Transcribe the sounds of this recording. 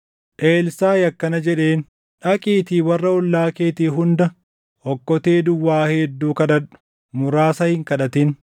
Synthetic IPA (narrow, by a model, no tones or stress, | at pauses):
ʔeːlsaːjɐkːɐnɐd͡ʒɛᶑe̞ːn | ᶑɐkʼiːt̪iːwɐrːɐʊlːaːkeːt̪iːɦʊnd̪ɐ | ɔkːɔt̪eːd̪ʊwːaːhɛd̪ːuːkɐᶑ̪ɐᶑʊ̥ | mʊɾaːsɐhɪŋkɐᶑɐt̪ɪn